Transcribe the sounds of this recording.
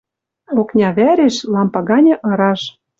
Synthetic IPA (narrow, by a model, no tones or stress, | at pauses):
oknʲɑβæɾeʃlɑmpɑɣɑnʲɤ̆ʔɤ̆ɾɑʃ